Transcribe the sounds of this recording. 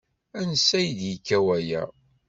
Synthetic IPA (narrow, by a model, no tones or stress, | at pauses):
ænəsːæjd̪jikːæwæjæ̰